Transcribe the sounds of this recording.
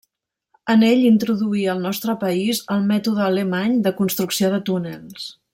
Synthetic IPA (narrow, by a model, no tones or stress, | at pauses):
əneʎint̪ɾuðuiəlˠnɔst̪ɾəpəizəlˠmɛt̪uðəːləmaɲd̪əkunst̪ɾuksioðət̪unəlˠs